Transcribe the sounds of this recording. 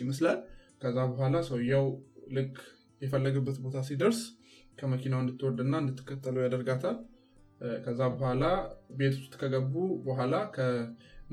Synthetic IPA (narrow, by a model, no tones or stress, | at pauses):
məslal | kʰəzːabəɦʷalasəwjːawlɨkʼː | jɛfəlːəɡɨbːət̪bo̞t̪ʰasid̪əɾskʰəməkʰinawɨnd̪ɨt̪ʰːɨwɔd̪ɨnːaɨnd̪ɨt̪ʰːɨ̥kːət̪ʼːələwjad̪əɾɡat̪ʰal | kʰəzːabəhʷalabe̞t̪ʰu̥st̪kʰəɡəbːubəɦʷalakʰə